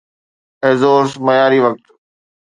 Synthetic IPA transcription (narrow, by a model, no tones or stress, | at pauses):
ɛɦzoːɾsmɐjaːɾiʋɐk̚t̪